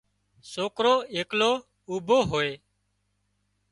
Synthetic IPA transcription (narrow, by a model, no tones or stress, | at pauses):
soːkɾoːeːkloː | uːbʱoːɦoːeː